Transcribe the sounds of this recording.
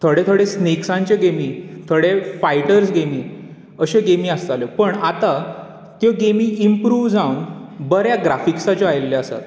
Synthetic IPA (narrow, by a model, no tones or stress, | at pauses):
t̪ʰoɽet̪ʰoɽesneksãɲt͡ɕeɡemiːt̪ʰoɽefajʈəɾsɡemiː | əɕeɡemĩast̪aljopəɳat̪a | t̪joɡemiːimpɾuːʋd͡zawunbəɾjaɡɾafiksat͡ɕɔajlːeəsa̰t̪